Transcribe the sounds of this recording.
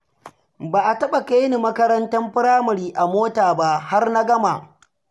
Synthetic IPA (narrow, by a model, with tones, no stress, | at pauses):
baː˨ʔa˨tɐ˦ɓa˨ka˦jni˨mɐ˦kɐ˦ɾɐ˦ntɐ˦mɸɪ˦ɾaː˦mɐ˨ɾiː˦ʔa˨moː˦taː˨ba˦ʔha˦rna˦ɡɐ˦ma˨ʔ